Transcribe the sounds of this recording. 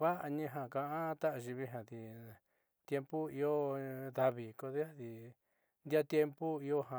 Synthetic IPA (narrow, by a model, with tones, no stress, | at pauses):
βa˦ʔa˧ɲĩ˧˦ɦã˧˨kã˧ʔã˦˧t̪a˦ʔa˧ʒi˧βi˧ɦã˨ði˧ | t̪je˧mpu˦i˧o˦ða˧βi˨ko˧ði˦a˦ði˧ | nd̪ʲa˦t̪je˧mpu˦i˧o˦ɦã˨